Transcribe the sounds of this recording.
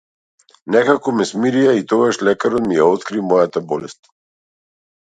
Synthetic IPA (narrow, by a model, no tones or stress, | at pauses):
nɛkakɔmɛsmiɾijait̪ɔɡaʃlɛkaɾɔt̪mijaɔt̪kɾimɔjat̪abɔlɛst̪